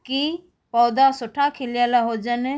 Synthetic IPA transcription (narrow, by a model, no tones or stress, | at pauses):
ki | pɔːd̪asʊʈʰakʰilijalaɦod͡ʒane